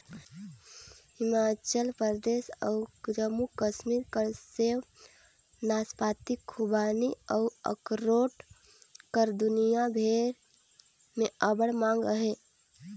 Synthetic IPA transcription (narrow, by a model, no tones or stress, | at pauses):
hɪmaːt͡ʃəlpd̪eːsəʊkd͡ʒəmukəʃmiːɾkəɾseːw | naːspaːt̪ɪkʰːubaːniəːə̰kɾoːʈ | kəɾd̪ʊnijabʱeːɾ | mẽəbəɽmãːŋɡɾəɦe